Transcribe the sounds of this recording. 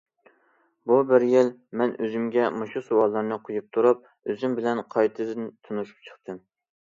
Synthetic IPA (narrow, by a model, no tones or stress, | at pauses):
bubɪɾjɪlmɛnøzymɡʲɛmoʃusowɑlˠːɨɾnɨqʰojup̚t̪ʰuɾup̚ | øzymbɪlɛnqʰɑjt̪ʰɨzɨnt̪ʰunuʃu̥p̚t͡ʃʰə̥χt̪ʰɨm